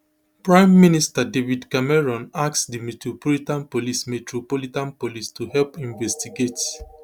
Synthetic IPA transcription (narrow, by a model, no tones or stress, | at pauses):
pɹãɪ̃mːinistadevidkamɛɹɔ̃naksdimetɹopɔlitãnpolismetɹopolitãnpolistʰuhɛlpĩnvɛstiɡet